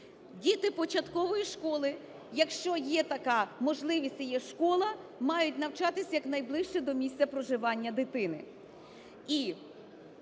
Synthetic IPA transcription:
dʲit̪ɪpɔt͡ʃɐt̪kɔʋɔjiʃkɔlˠɪ | jɐkʃt͡ʃɔjɛt̪ɐkɑmɔʒlˠɪʋʲisʲtʲjɛʃkɔlˠɐmɑjʊt̚ʲnɐwt͡ʃɑt̪ɪsʲjɐknɐjblˠɪʃt͡ʃɛd̪ɔmʲisʲtt͡sʲɐpɾɔʒɪʋɑnʲːɐd̪ɪt̪ɪnɪ̰ | i

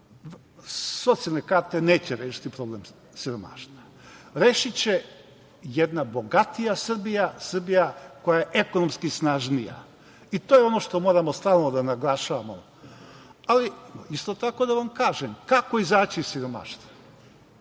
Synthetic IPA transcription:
so̞t̪sialnekaɾt̪e̞ne̞ːt͡ɕeɾeːʃi̥t̪ipɾo̞blem | siɾo̞ma̰ːʃt̪ʋa | ɾeːʃit͡ɕe̞ | jed̪nabo̞ɡat̪ijasr̩bijasr̩bijako̞jajeʔeko̞nomskisnaːʒnija̰ | it̪ojeo̞no̞ʃt̪o̞mo̞ːɾamost̪aːlˠno̞d̪anaɡlˠaʃaʋamo | aliist̪o̞t̪ako̞d̪aʋamkaːʒemkako̞izaːt͡ɕisiɾo̞ma̰ʃt̪ʋa

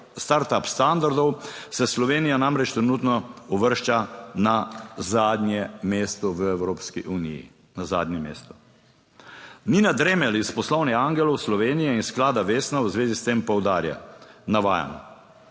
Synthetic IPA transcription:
st̪aɾt̪apst̪and̪aɾd̪ɔwsɛslɔʋeːnijanamɾɛt͡ʃt̪ɾɛnuːt̪nɔɔʋəɾʃt͡ʃanazaːd̪njɛmest̪ɔʋəɛwɾoːpskiʔuːnḭjḭ | naza̰ːd̪nɛmḛːst̪ɔ | ninad̪ɾemɛlispɔslɔwnɛaŋɡɛlɔwslɔʋeːnijɛinsklaːd̪aʋeːsnawzʋeːzist̪empɔwd̪aːɾja̰naʋa̰ːja̰nɔ̰

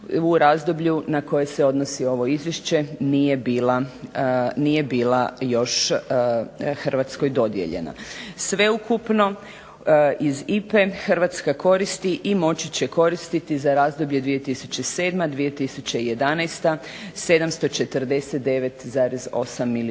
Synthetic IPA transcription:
uɾaːzd̪o̞bʎunako̞je̞se̞o̞d̪nosio̞ʋo̞izʋjeʃt͡ɕe̞nijebiːla | nije̞biːlajo̞ʃ | xr̩ʋat̪sko̞jd̪o̞d̪jḛʎe̞̰na̰sʋe̞ukupno̞ | izipe̞xr̩ʋat̪skako̞ɾist̪iʔimo̞t͡ɕit͡ɕe̞ko̞ɾist̪it̪izaɾaːzd̪o̞bʎed̪ʋije̞t̪isut͡ɕe̞se̞ːd̪mad̪ʋije̞t̪isut͡ɕeije̞d̪anajst̪a | se̞d̪amst̪o̞t͡ʃe̞t̪əɾd̪e̞set̪̚d̪e̞ʋe̞t̪zaːɾezo̞̰samːil

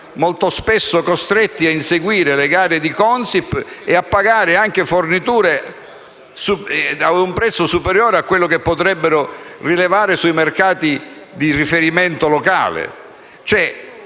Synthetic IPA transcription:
molt̪ospɛsːokost̪ɾɛt̪ːiainseɡwiːɾeleɡaːɾed̪ikɔnsipːeapːaɡaːɾɪaŋk̟efornit̪uːɾe | suaumpɾɛt̪sːosupeɾjoːɾeakːwelːokepːot̪ɾɛbːeɾorilevaːɾesuimerkaːt̪id̪irifeɾiment̪oloka̰ːlḛ | t͡ʃoɛ

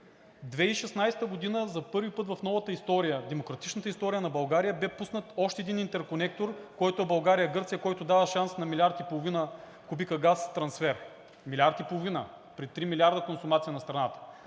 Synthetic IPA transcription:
d̪vɛiʃɛsnajsɛ̥t̪əɡod̪inəzɐpɤɾvipɤt̪vɐfnɔvɐt̪əist̪ɔɾijəd̪ɛmokɾɐt̪i̥t͡ʃnət̪əist̪ɔɾijənɐbɐlˠɡaɾijəbɛpusnət̪ɔʃt̪ɛd̪inint̪ɛɾkonɛk̚t̪oɾkɔjt̪oɛbɐlˠɡaɾijəɡɤɾt̪sijəkɔjt̪od̪avəʃansnɐmilʲaɾt̪ipolˠovinə | kubikəɡast̪ɾɐnsfɛɾ | milʲaɾt̪ipolˠovinə | pɾit̪ɾimilʲaɾd̪əkonsʊmat̪sijənɐst̪ɾɐnat̪ə̥

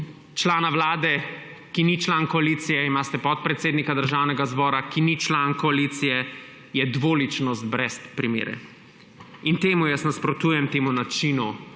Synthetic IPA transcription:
t͡ʃlaːnawlaːd̪ɛ | kinit͡ʃlankɔalit̪sijɛimaːst̪ɛpɔt̪̚pɾɛt̪seːd̪nikad̪əɾʒawnɛɡazbɔːɾakinit͡ʃlaːnkɔalit̪sijɛ | jɛd̪ʋoːlit͡ʃnɔst̪̚bɾɛspɾimḛːɾɛ̰ | int̪eːmujəsnaspɾɔt̪uːjɛmt̪eːmunat͡ʃinu

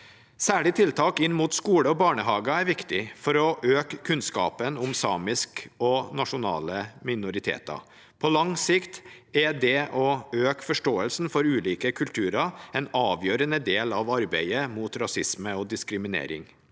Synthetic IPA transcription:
sæːɭɪt̪ʰɪlt̪ʰɑːkɪnːmuːt̪skuːləɔbɑːɳəhɑːɡɑæɾʋɪkt̪ɪfɔɾɔʔøːkkʰʉnskɑ̰ːpənʊmsɑ̰ːmɪskɔnɑʂʊnɑ̰ːləmɪnʊɾɪt̪ʰḛːt̪ɑ̰ | pʰɔlɑŋsɪkt̪ | ɛd̪ɛʔɔøːkfɔʂʈoːəlsn̩fɔɾʉːliːkəkʰʉlt̪ʰʉːɾɑɛnɑːʋjøːɾənəd̪eːlɑʋɑɾbæɪəmuːt̪ɾɑsɪsməɔd̪ɪskɾɪmɪnḛːɾɪ̰ŋ

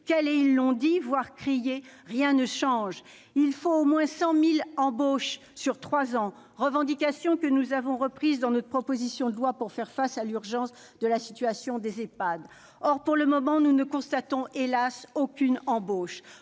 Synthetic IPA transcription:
kɛlɛilːɔ̃d̪ivwaʁkχijeʁjɛ̃nəʃɑ̃ʒ | ilfoomwɛ̃sɑ̃milɑ̃boʃ | syʁt̪χwazɑ̃ | ʁəvɑ̃d̪ikʲasjɔ̃kənuzavɔ̃ʁəpχizd̪ɑ̃nɔt̪χpχɔpozisjɔ̃d̪əlwapuʁfɛʁfasalyʁʒɑ̃s | d̪əlasi̥t̪ɥasjɔ̃d̪ezepad̪ | ɔʁpuʁləmɔmɑ̃nunəkɔ̃st̪at̪ɔ̃ʔelasokʲynɑ̃boʃ

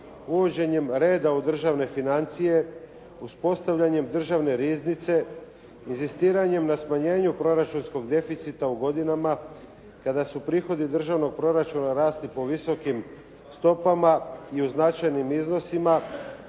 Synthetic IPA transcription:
uʋo̞d͡ʑe̞ɲe̞mɾe̞ːd̪aud̪r̩ʒaʋne̞finant̪sije̞ | uspo̞st̪aʋʎaɲe̞md̪r̩ʒaʋne̞ɾiznit̪se̞ | inzist̪iːɾaɲe̞mnasmaɲe̞ːɲupɾo̞ɾat͡ʃunsko̞ɡd̪e̞fit̪sit̪auɡo̞d̪inama | kad̪asupɾiːxo̞d̪id̪r̩ʒaʋno̞ɡ̚pɾo̞ɾat͡ʃunaɾaːst̪lipo̞ʋiso̞kim | st̪o̞pamaiuznat͡ʃajnimizno̞sima

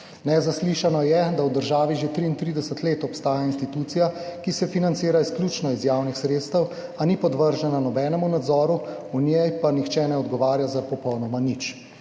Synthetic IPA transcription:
nɛzasliːʃanɔjɛd̪awd̪əɾʒaːʋiʒet̪ɾiːnt̪ɾid̪ɛsət̪leːt̪ɔpst̪aːjainst̪it̪uːt̪sijakisɛfinant̪siːɾaisklʲjuːt͡ʃnɔizjawnixsɾeːt̪st̪əw | anipɔd̪ʋəɾʒɛnanɔbɛːnɛmunad̪zɔːɾu | unjɛjpanixt͡ʃɛnɛɔd̪ɡɔʋaːɾjazapɔpɔwnɔmanit͡ʃ

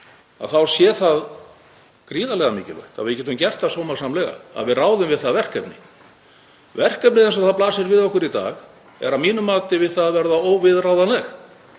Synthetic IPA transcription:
a̰ðθawsjɛːθað | kɾiːðalɛɣamɪːcɪ̰lvœ̰ht̪a̰vɪcɛːt̪ʏmcɛr̥t̪asoːwmasamlɛɣa̰a̰ðvɪðraːwðʏmvɪðθaðvɛr̥kœpnɪ̰ | vɛr̥kœp̚nɪθɛnsɔθaðplaːsɪɾvɪðɔhkʏɾit̪a̰ːɣ | ɛ̰ɾawmiːnʏmːaːt̪ɪvɪðθaðvɛɾðaoːwvɪðraːwðanlɛx

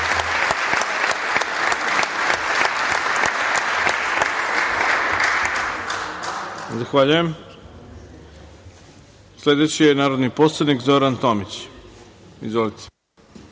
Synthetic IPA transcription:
zaxʋaːʎujem | sle̞d̪et͡ɕijenaːɾod̪niposlˠad̪nikzo̞ɾant̪omit͡ɕ | izʋo̞lit̪ʰe̥

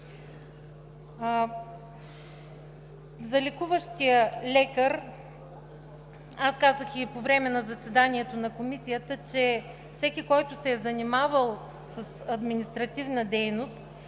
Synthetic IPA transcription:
zɐlɛkuvəʃt̪ijəlɛkəɾ | askazəxipovɾɛmɛnɐzɐsɛd̪aniɛt̪onɐkomisijət̪ət͡ʃɛ | fsɛkʲikɔjt̪ʊsɛːzɐnimavəlˠ | səsɐd̪minist̪ɾɐt̪ivnəd̪ɛjnost̪

